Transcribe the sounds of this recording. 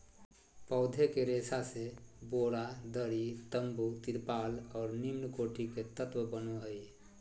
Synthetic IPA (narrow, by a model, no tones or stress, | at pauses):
pɔʊd̪ʱekeɾesaseboːɽad̪əɾit̪əmbut̪iɾpaːlɔːɾnimnkoːʈiket̪ət̪wəbənoɦəj